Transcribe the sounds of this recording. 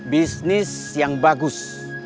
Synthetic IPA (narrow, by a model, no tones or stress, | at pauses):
bisnis | jaŋbaɡus